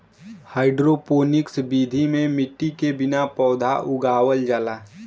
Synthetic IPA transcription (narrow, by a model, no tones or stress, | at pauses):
haːɪɖɾopoːnɪksbiːd̪ʱimẽmɪʈːikebɪnapɔːd̪ʱa̰ʔʊɡaːwəld͡ʒaːlaː